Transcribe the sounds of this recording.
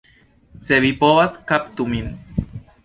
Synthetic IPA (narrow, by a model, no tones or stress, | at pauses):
seβipoβaskapt̪umin